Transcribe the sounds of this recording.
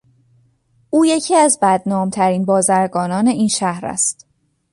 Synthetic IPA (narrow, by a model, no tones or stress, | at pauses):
ʔuːje̞cʰiːæzbæd̪nɒːmt̪ʰæɾiːnbɒːzæɾɡɒːnɒːne̞iːnʃæhɾæ̰st̪